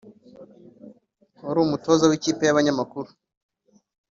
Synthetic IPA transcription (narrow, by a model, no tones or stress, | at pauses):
oɾumuto̞zawikiːpe̞jaβaɲamakuɾu